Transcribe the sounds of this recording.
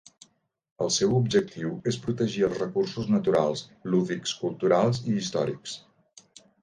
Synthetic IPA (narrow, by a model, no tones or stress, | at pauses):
əlˠsɛwubʒək̚t̪ʰiwespɾut̪əʒiəlˠzrəkursuznət̪uɾalˠsluðikskulˠt̪uɾalˠziːst̪ɔ̰ɾḭks